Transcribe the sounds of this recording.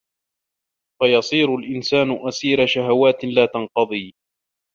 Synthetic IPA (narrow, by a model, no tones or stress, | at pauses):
fajɑsˤiːɾʊlʔɪnsaːnʊʔasiːɾaʃaɦawaːt̪laːt̪ɑnqɑðˤiː